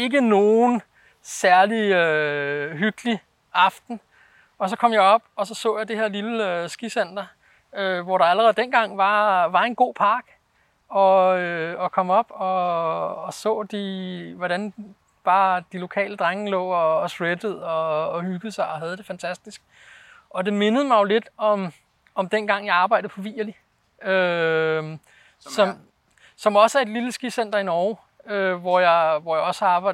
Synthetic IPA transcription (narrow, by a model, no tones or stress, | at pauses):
e̝ɡ̥əno̝ːn̩ | sæɐliøɦyɡ̥li | ʔɑ̈fd̥n̩ | ɒ̽sɒ̽kʰɒ̽m̰jɑ̈ɪɒ̽b̥ɒ̽sɒ̽sɔ̰̽ːjɑ̈ɪd̥e̝heɐ̰liləøsɡ̥isen̰d̥ɐ | øʋɒɾɑ̈æləʁɛð̩ˠd̥enɡ̥ɑ̈ŋ̰ʋɑ̈ʋɑ̈e̝nɡ̥o̝̰ːpʰɑ̈ːɡ̥ | ɒ̽øɒ̽kʰɒ̽mɒ̽b̥ɒ̽ː | sɔ̰̽ːd̥iʋɒɾæn | b̥ɑ̈ːd̥ilo̝kʰɛ̰ːləd̥ʁaŋəlɔ̰̽ːɒ̽ːsʁed̥əð̩ˠɒ̽ːhyɡ̥ð̩ˠsɑ̈ɪɒ̽ɦæð̞ˠd̥e̝fænt͡sʰæsd̥isɡ̥̚ | ɒ̽d̥e̝me̝nəð̞̩ˠəmɑ̈ɪjo̝le̝d̥ɒ̽m | ɒ̽md̥enɡ̥ɑ̈ŋ̰jɑ̈ɪɑ̈ːbɑ̈ɪd̥ð̩pʰɒ̽ʋḭːɐli | ø | sɒ̽m | sɒ̽mɒ̽sæe̝d̥liləsɡ̥isen̰d̥ɐinɒːʊ | øʋɒjɑ̈ɪʋɒjɑ̈ɪɒ̽səɑ̥̈ː